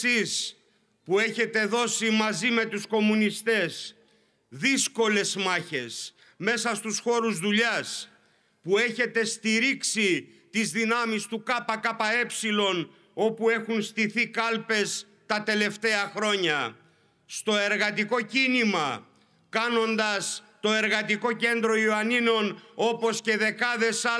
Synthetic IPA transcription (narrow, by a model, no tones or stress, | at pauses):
is | pue̞çe̞t̪e̞ðo̞simɐzime̞t̪usko̞munist̪e̞s | ðisko̞le̞zmɐçe̞s | me̞sɐst̪usxo̞ɾuzðuʎɐs | pue̞çe̞t̪e̞st̪iɾiksit̪izðinɐmist̪ukɐpɐkɐpɐe̞psilo̞n | o̞pue̞xunst̪iθikɐlpe̞s | t̪ɐt̪e̞le̞ft̪e̞ɐxɾo̞ɲɐ | st̪o̞e̞ɾɣɐt̪̬iko̞cinimɐ | kɐno̞nd̪ɐst̪o̞e̞ɾɣɐt̪iko̞ce̞nd̪ɾo̞ioɐnino̞no̞po̞sce̞ðe̞kɐðe̞sɐ